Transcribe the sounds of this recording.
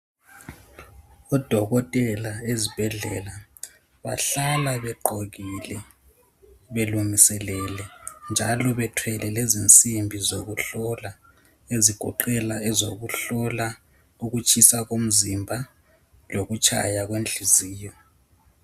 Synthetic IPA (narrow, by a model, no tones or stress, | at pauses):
ɔd̥ʱɔɣɔtʼɛlaezib̥ʱɛɮɛ̰la | βa̰ɬalaβɛǃoɣilɛ | βelumisɛlɛlɛnd͡ʒʱalɔβɛtʰwɛlɛlezint͡sʼimbʱizoɣuɬɔla | eziɡ̥ʱɔ̰ǃɛlaɛzoɣuɬɔla | uɣut͡ʃʰʼisaɣom̩zimbʱa | loɣut͡ʃʰʼa̰jaɣwend͡ɮʱiziːjɔ